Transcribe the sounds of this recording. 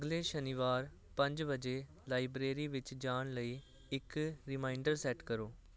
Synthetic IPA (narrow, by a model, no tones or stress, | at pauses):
əɡleːʃəniːʋaːɾ | pə̃ɲd͡ʒʋəd͡ʒeː | laːibɾeːɾiːʋɪt͡ʃd͡ʒaːɳləiː | ɪkɾɪmaːɪɳɖəɾsɛːʈkəɾoː